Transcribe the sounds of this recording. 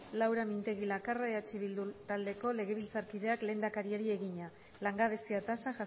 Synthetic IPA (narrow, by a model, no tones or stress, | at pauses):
lawɾamint̪e̞ɣilakaraeat͡ʃiβild̪ut̪ald̪e̞ko̞le̞ɣe̞β̞ilt͡saɾkiðe̞akle̞ːnd̪akaɾiaɾie̞ɣiɲa | laŋɡaβ̞e̞siat̪asaʝas